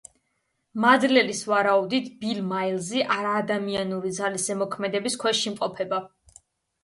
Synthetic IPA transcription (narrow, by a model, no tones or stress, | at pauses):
mad̪lɛlisvaɾaud̪it̪ʰb̥ilmailziʔaɾaːd̪amianuɾid̪zalisɛmɔkʰmɛd̪ɛbiskʰwɛʃimqʼɔpʰɛba